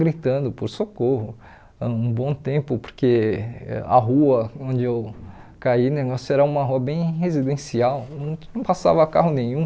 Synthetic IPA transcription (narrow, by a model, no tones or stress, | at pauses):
ɡɾit̪ɐ̃nd̪ʊpoɾsokoɦʊ̃ | ũbõt̪ẽpʊpoɾkeɛ̰a̰ɦuɐõnd͡ʒɪewkaineɡɔsʊɛɾɐũmɐɦuɐbẽj̃ɦezid̪ẽsiaw̃nɐ̃w̃pasa̰vɐkaɦʊnẽj̃ũ